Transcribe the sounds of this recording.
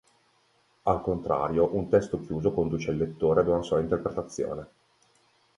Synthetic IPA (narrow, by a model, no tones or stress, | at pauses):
alkont̪ɾa̰ːɾjoʔunt̪ɛst̪ok̟juːzokond̪uːt͡ʃeilːet̪ːoːɾead̪unasuaint̪erpɾet̪at̪sːjo̰ːne